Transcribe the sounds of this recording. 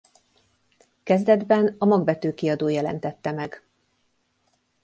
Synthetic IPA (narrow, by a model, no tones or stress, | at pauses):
kɛzd̪ɛd̪bɛnɒmɒɡbɛt̪øːkiɒd̪oːjɛlɛ̰n̪t̪ɛt̪ːɛmɛɡ̥